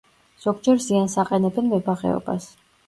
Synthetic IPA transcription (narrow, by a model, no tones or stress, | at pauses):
z̥ɔɡd͡ʒɛɾziansaqʼɛnɛbɛnmɛbaʁɛ̰ɔ̰ba̰s